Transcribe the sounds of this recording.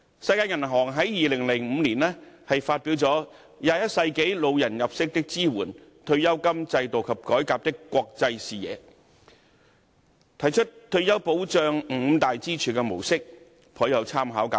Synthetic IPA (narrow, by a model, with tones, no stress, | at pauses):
sɐ˧jkaː˧jɐ˨˩nɦɔː˨˩ŋɦɐ˨˥jjiː˨lɪ˨˩ŋlɪ˨˩ŋm̩˨˧liː˨˩nlɛː˥hɐ˨jfaː˧t̚piː˨˥wt͡sɔː˨˥ | jaː˧jɐ˥t̚sɐ˧jke˨˥jlo˨˧wjɐ˨˩njɐ˨p̚sɪ˥k̚t̪ɪ˥k̚t͡siː˥wuː˨˩nt̪ʰɵ˧ɥjɐ˥wkɐ˥mt͡sɐ˧jt̪o˨˩wkʰɐ˨˩p̚kɔː˨˥jkaː˧p̚t̪ɪ˥kːʷɔː˧k̚t͡sɐ˧jsiː˨jɛ̰ː˨˧ | t̪ʰɐ˨˩jt͡ʃʰɵ˥t̚t̪ʰɵ˧ɥjɐ˥wpo˨˥wt͡ʃœː˧ŋm̩˨˧˥t̪aː˨jt͡siː˥t͡ʃʰyː˨˩kɛː˧mo̰˨˩wsɪ˥k̚ | pʰɔː˨˥jɐ˨˧wt͡sʰaː˥mɦaː˨˥wkaː˨˥